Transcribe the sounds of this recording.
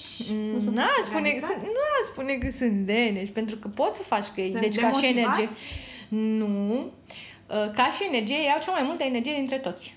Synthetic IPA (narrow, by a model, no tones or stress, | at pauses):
spunesɨnuaspunekəsɨnt̪leneʃʲpe̞nt̪ɾukəpo̞t̪ssəfat͡ʃʲkəejd̪et͡ʃʲkaʃienerd͡ʒi | nu | əkaʃiene̞rd͡ʒijejejawt͡ʃeamajmult̪əene̞rd͡ʒije̞d̪int̪ɾe̞t̪o̞t̪sʲ